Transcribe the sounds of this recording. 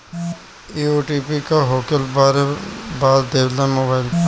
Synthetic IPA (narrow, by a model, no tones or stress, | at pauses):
iːoːʈiːpikaɦoːkəlbɾebaːdd̪eːʋlanmoːbaːɪl